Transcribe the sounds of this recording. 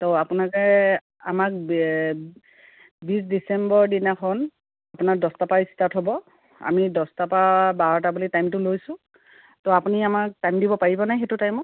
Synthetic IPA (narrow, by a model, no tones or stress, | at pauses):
tɔapʊnakɛ | amak̚ | bisdisɛmbɔɹdinakʰɔn | apunadɔstapaistatɦɔbɔ | a̰midɔstapabaɹɔtabulitajmtʊlojsʊ̃ | tɔapuniamak̚tajmdibɔpaɹibɔnajxetutajmɔt